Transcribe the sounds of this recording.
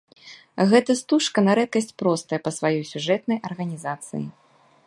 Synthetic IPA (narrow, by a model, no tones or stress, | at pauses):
ɣɛt̪ɐst̪uʂkɐnɐɾɛt̪̚kɐsʲt͡sʲpɾɔst̪ɐjɐpɐsvajɔjsʲuʐɛt̪nɐjʔɐrɣɐnʲizat̪sɨ̰jḭ